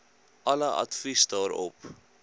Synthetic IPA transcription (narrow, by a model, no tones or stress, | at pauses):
ʔɐləʔɐ̰tfisdɑːɾɔ̰p